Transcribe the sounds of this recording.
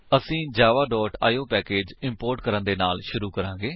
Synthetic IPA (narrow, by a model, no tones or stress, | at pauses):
əsĩːd͡ʒaːʋaːɖɔːʈa̰ːjoːpɛːkeːd͡ʒɪmpoːɾʈkəɾənd̪eːnaːlʃʊɾuːkəɾãːɡeː